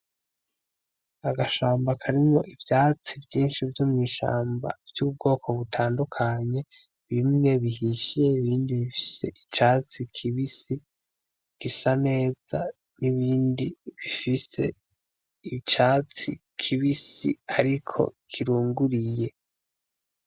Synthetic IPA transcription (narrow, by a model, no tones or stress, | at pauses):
aɡaʃaːmbakʰaɾimŋo̞̰ʔivjaːt͡sivjiːnʃivjomŋiːʃa̰ːmba̰vjuːb̚ɡo̞ːkʰo̞βutʰaːndukʰaɲe̞ | βimŋe̞βihiʃijeiβiːndiβifi̥se̞ʔit͡ʃaːt͡sikʰiβisi | ɡ̥isane̞ːz̥a | niβiːndiβifise̞̰ | it͡ʃaːt͡si | kʰiβisiaɾikʰo̞̰kʰiɾuːŋɡuɾije̞